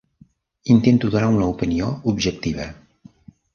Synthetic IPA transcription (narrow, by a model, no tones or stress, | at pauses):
int̪ent̪uðunaunəupinioubʒək̚t̪iβ̞ə̰